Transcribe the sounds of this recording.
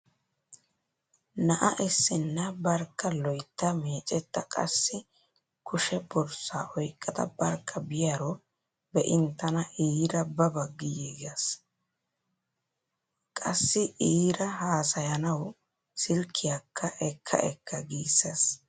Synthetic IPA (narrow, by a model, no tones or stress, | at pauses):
nɐʔɐʔɪsːɪnːɐbɐɾkːɐlɔjt̪ːɐmeːt͡ʃʼɛt̪ːɐkʼɐ̰sːɪ | kʰʊʃɛbɔɾsaːʔɔjkʼːɐt̪ɐ̰bɐɾkʰːɐbɪjaɾɔ | bɛʔɪnt̪ːɐnɐʔiːɾɐbɐbɐɡːɪjeɡɐs | kʼɐsːɪʔiːɾɐɦaːsɐjɐnɐw | sɪlkʰːɪjakʰːɐʔɛkʰːɐ̰ʔɛkʰːɐɡiːsːes